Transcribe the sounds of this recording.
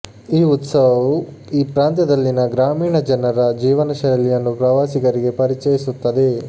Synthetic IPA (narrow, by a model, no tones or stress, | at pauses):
iːut̪sɐʋɐʋu | iːpɾaːnt̪jɐd̪ɐlːinɐɡɾaːmiːɳɐd͡ʒɐnɐɾɐd͡ʒiːʋɐnɐʃɐɾɐlijɐnːupɾɐʋaːsikɐɾiɡe̞pɐɾit͡ʃɐjisut̪ːɐd̪e̞